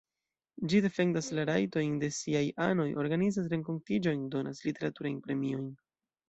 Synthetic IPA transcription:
d͡ʒide̞fe̞ndaslaɾajto̞jnde̞siajʔano̞jʔo̞ɾɡanizas̬ɾe̞ŋko̞ntid͡ʒo̞jndo̞naslite̞ɾatuɾajnpɾe̞mio̞jn

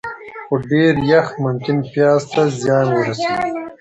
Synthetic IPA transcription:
xoɖeːɾjɐxt̪mʊmkɪnpjɑːzt̪azjɑːnwəɾaseɡi

